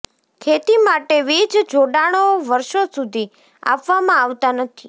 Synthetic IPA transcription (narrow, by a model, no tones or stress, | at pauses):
kʰet̪imaʈeʋit͡ʃd͡ʒʱoɖaɽ̃oʋəɾʃosud̪ʱi | a̰pʋamãaʋt̪anət̪ʰi